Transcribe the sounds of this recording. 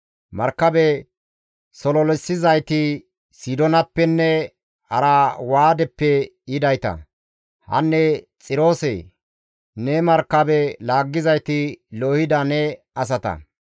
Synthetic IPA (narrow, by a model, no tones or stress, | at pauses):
mɐɾkːɐbɛ | sɔlɔlɛsːɪzɐjt̪ɪ | sid̪ɔnɐpːɛnːɛ | hɐ̰ɾawaːd̪ɛpːɛ | ɪd̪ɐjt̪ɐ̰ | hɐ̰nːɛ | t͡sʼɪɾo̞ːsɛ̰ | nɛmɐɾkːɐbɛlaːɡːɪzɐjt̪ɪloːhɪd̪ɐnɛ | ɐs̬ɐt̪ɐ̰